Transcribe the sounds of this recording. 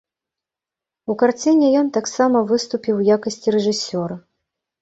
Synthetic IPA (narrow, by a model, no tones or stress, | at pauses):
ukart͡sʲinʲɛjɔnt̪aksamɐvɨst̪upʲiwjakɐsʲt͡sʲiɾɛʐɨsʲɔɾɐ